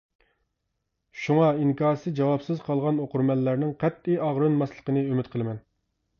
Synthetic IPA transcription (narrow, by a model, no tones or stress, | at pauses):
ʃuŋɑiŋkʰɑːɾsɨd͡ʒɑwɑpsɨzqʰɑlˠʁɑnoqʊɾmɛlːæɾnɪŋqʰæt̪̚ːiɑʁɾɨnmɑslˠəqənɨømɪt̪̚qʰəlˠɨmɛn